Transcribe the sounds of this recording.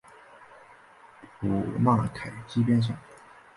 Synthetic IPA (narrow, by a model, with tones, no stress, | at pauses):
pu˨˩ma˥˩kʰa˨˩ɪt͡ɕi˥pjɛ˥nʂ̬ɑ˥˩ŋ